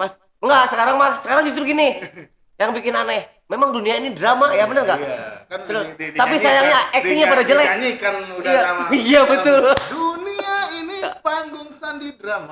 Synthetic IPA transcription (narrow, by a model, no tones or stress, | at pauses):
mas | ŋɡaʔsəkaɾaŋmasəkaɾaŋd͡ʒust̪ɾuɡini | jaŋbikɪnana | memaŋduniainidɾamajabənərŋɡaʔsəlʊsapisajaŋɲaɛk̚t̪ɪŋɲapadad͡ʒəlaɲikanuijaijabət̪ʊlduniainipaŋɡʊŋsandidɾama